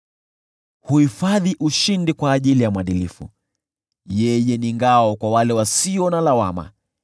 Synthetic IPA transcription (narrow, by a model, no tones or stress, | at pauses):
huhifaðiʔuʃindikwaːʄilijamwaɗilifṵ | jɛjɛniŋɡaɔkwawalɛwasiɔnalawama̰